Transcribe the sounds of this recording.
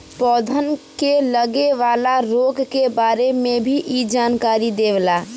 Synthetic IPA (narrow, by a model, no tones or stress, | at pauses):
pɔːd̪ʱənkeləɡeʋaːlaɾoːɡkebaːɾemẽbʱiʔid͡ʒaːnkaːɾid̪eːʋlaː